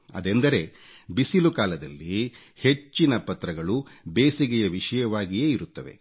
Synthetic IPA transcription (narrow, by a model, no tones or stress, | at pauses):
ɐ̰d̪end̪ɐɾe̞ | bisilukaːlɐd̪ɐlːi | he̞t͡ʃːinɐpɐt̪ɾɐɡɐɭubeːsiɡɛjɐʋiʂɐjɐʋaːɡijeːiɾut̪ːɐʋe̞̰